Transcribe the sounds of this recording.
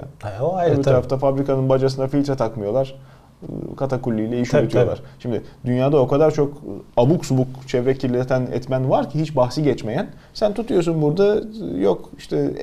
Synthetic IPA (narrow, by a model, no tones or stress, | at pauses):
aabit̪aɾaft̪ʰafabɾikanɯnbad͡ʒas̬ɯnd̪afilʲt̪ɾat̪ʰakmɯjo̞lˠaɾ̥ | kʰat̪ʰakulʲːijlʲɛiʃʰyet̪ʰijolˠa̰ɾʃimd̪ɪd̪ynjaːd̪ao̞kʰad̪aɾt͡ʃʰo̞kabuksubukt͡ʃʰɛvɾɛcʰiɾlʲet̪ʰænɛ̰t̪mænvaɾcʰiɦit͡ʃbaxsiɟɛt͡ʃme̞jæn | sænt̪ʰut̪ʰujo̞sunbuɾd̪ajokiʃt̪ʰɛ